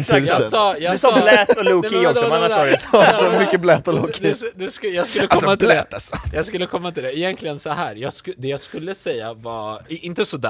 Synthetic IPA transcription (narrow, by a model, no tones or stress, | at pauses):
nt̪ʰʉsɑəsɑːjɑɛsblɛt̪ːɔluːkɪɔksɔanːaʂaɾmʏkːəblɛt̪ːɔluːkʰɪdɛd̪ɛskjɑːɡskɵlːəaɔmːat̪ʰɪlɛt̪ːasɔjɑɡskɵlːəkʰɔmːat̪ʰɪld̪ɛɪjɛnkʰlɪɡənsɔhæːɾjɑːɡskd̪ɛjɑːɡskɵlːəsɛjːavaɪnt̪əsɔd̪æ̰ː